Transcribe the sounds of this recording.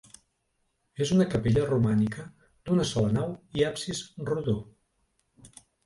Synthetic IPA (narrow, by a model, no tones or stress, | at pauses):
ezunəkəpeʎərumanikə | d̪unəsɔlənawiapsisruðo